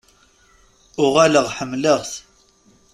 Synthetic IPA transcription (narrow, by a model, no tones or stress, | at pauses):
ʊʁæləʁħəmːləʁθ